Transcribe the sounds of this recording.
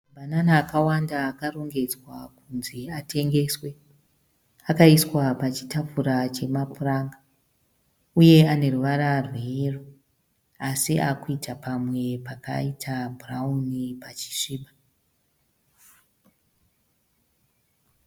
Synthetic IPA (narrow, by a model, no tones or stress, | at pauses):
bʱananaːkawandaːkaro̞ŋɡe̞d͡zwakunzeatʰe̞ŋɡe̞swe̞ | akaiswapat͡ʃi̥tafuɾat͡ʃe̞mapuraːŋɡa | uje̞ane̞ruʋaɾarwero | asiʔa̰kuitapamwe̞paka̰itʰabʱuraunipat͡ʃi̥ʂiːɓa